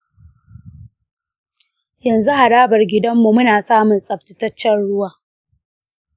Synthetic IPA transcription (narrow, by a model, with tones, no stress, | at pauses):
jɐ˨nzu˦ɦa˨ɽaː˦bɐ˨rɡʲɪ˦dɐ˦mːu˨mʊ˦naː˨saː˦mʊ˨nsʼɐ˨b̚tɪ˨tɐ˦t͡ʃːɛ˦nɽʊ˦waː˨